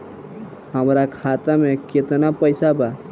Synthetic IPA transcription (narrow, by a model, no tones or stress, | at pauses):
həmɾakʰat̪ameket̪napəɪsaba